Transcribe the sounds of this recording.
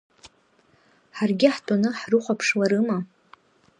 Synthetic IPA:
ħarɡʲɪħtʼonɨħrɨχʷapʰʂlaɾɨma

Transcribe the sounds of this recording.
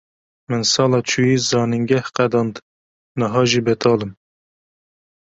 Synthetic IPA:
mɨnsɑːlɑːt͡ʃʰujiːzɑːnɨŋɡɛhqæd̪ɑnd̪ | nɨɦɑːʒibɛt̪ʰɑːlɨm

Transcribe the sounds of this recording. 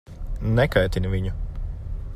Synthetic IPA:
nɛkajt̪ʲinvʲiɲu

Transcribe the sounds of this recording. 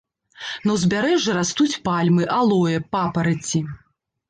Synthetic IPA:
nɐwzʲbʲaɾɛʐɨɾast̪ut͡sʲpalʲmɨʔalˠɔjɐpapɐɾɨt͡sʲi

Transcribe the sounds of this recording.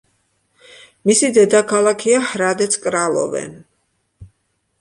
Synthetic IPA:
misid̪ɛd̪akʰalˠakʰiahɾad̪ɛt̪sʰkʼɾalˠɔ̰vɛ̰n

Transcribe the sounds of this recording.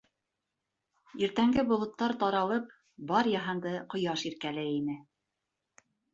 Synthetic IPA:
iɾt̪æŋɡɘbŏlˠŏt̪ːɑɾt̪ɑɾɑlˠɤp̚ | bɑɾjɑɦɤnd̪ɤqŏjɑʃiɾkælɘinɘ

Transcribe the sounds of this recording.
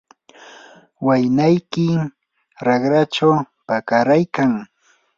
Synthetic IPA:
wajnajkɪ | ɾaɡɾat͡ʃaw | pakaɾajkaŋ

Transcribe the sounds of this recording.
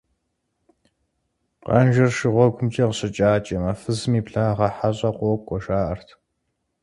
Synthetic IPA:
qɐ̰nʒɐrʃɨʁʷɔɡʷʊmt͡ʃʼɐqəɕʼɪt͡ʃʼaːt͡ʃʼɐmɐfɨzɨmiːpɬaːʁɐħaɕʼɐqʷɔkʷʼɔʃaːʔɐrtʰ

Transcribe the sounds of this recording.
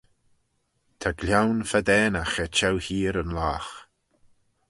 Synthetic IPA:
t̪ʰaɡlʲjawnfad̪ɛːnaxɛt͡ʃɛwhiːɾənlaːx

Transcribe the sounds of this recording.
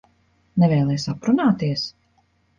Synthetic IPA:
nɛvɛːlˠɛjsapɾunaːt̪iɛs

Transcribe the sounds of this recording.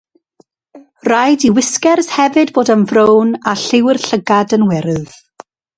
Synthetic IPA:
rajdiwɪskɛrshɛvɨdboːdənvrownaɬɪwɪrɬəɡadənwɛɾɨð̥

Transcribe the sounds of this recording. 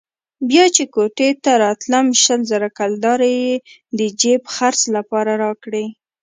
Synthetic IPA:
bjɑt͡ʃekoʈet̪aɾɑt̪lamʃəlzaɾakald̪ɑɾeje | d̪əd͡ʒepxaɾslapɑɾaɾɑkɽe

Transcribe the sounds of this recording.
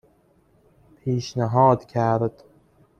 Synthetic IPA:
pʰiːʃnæɦɒːd̪cʲʰæɾd̪̥

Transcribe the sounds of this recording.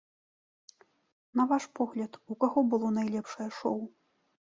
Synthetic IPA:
nɐvaʂpɔɣlʲɐt̪ukaɣɔbɨlˠɔnajlʲɛpʂɐjɛʂɔw

